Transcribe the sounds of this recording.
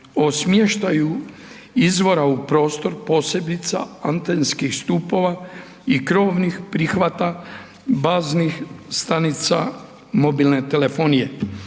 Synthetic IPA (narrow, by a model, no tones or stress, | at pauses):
o̞smjeʃt̪aju | izʋo̞ɾaupɾo̞ːst̪o̞ɾpo̞ːse̞d̪it̪sa̰ant̪enskixst̪uːpo̞ʋa | ikɾo̞ːʋnixpɾixʋat̪a | baːznixst̪anit̪sa̰ | mo̞bilnet̪ele̞fo̞ːnije